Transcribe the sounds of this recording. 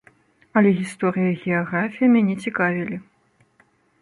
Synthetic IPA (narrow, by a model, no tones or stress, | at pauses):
ɐlʲɛɣʲist̪ɔɾɨjɐɣʲɛaɣɾafʲijɐmʲanʲɛt͡sʲikavʲilʲi